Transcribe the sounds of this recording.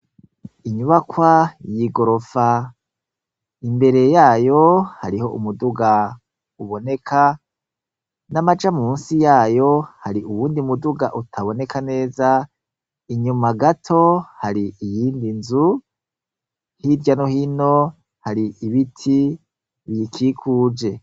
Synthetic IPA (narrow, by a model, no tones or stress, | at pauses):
iɲuβakwajiɡo̞ɾo̞fa | imbe̞ɾe̞jaːjo̞haɾiho̞ʔṵmuduɡa | uβo̞ne̞kʰa | namad͡ʒamumuːnsijaːjo̞haɾiʔuwuːndiumuduɡaʔutʰaβo̞ne̞kʰane̞ːza | iɲumaɡatʰo̞haɾiijiːndinzu | hivjano̞hino̞ | haɾiʔiβitʰi | βjikʰikʰuːd͡ʒe̞